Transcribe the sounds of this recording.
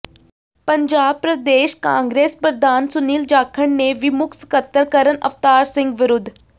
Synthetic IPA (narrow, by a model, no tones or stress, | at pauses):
pəɲd͡ʒaːb̚pɾəd̪eːʃkãːŋɡɾeːspɾəd̪ʱaːnsʊniːld͡ʒaːkʰəɳneʋɪmʊkskət̪ːəɾkəɾənʔə̰ft̪aːɾsɪ̃ŋɡʋɪɾʊd̪ʱ